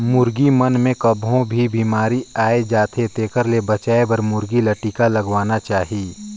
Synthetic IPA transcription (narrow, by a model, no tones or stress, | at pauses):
mʊɾɡimɐnmẽkɐbʱõbʱibiːmaːɾiaːed͡ʒaːt̪ʰet̪eːkəɾlebɐt͡ʃaːebɐɾmʊɾɡilɐʈiːkalɐɡwaːnat͡ʃaːɦiiː